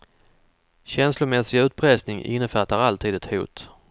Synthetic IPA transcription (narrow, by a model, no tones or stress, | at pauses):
ɕɛnslʊmɛsɪɡʉ̟ːt̪̚pʰɾɛsnɪŋʔɪ̰nːəfat̪ːaɾalt̪ʰiːd̪ɛt̪hṵːt̪